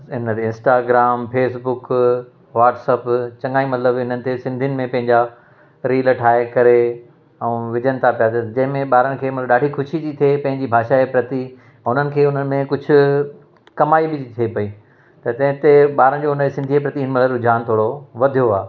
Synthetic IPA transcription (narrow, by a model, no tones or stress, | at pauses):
ɪnət̪eɪ̃nsʈaːɡɾaːmfeːsbʊk | ʋaːʈsəpt͡ɕɐ̃ŋɡaːimɐt̪ləbɪnənɪ̆t̪esɪ̃nd̪ʱiənɪ̆mẽpɐ̃ɦɪ̃ɲd͡ʑa | ɾiːlʈʰaːekɐɾe | ɛ̃ːʋɪd͡ʑənt̪ʰapijat̪ːt̪ɐd͡ʑɐ̃ɦɪ̃mẽɓaːɾənɪ̆kʰeːmɐt̪ləbɗaːɖʱixʊʃit̪it̪ʰiepɐ̃ɦɪ̃ɲd͡ʑibʱaːʃaepɾɐt̪i | ʊn̤ənɪ̆kʰeːʊn̤ənɪ̆mẽkʊd͡ʑʱʊ̆ | kɐmaːibɪt̪ʰiepɐi | t̪ɐt̪ɐ̃ɦɪ̃t̪eɓaːɾə̃n̆d͡ʑoʊnəesɪ̃nd̪ʱiepɾɐt̪iɦɪnɪmɐləɾʊd͡ʑʱaːnt̪ʰoːɽoʋɐd̪ʱijoaː